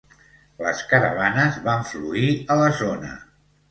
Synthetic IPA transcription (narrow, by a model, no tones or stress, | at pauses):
lə̰skəɾə̰β̞anəzβaɱfluiələzonə̰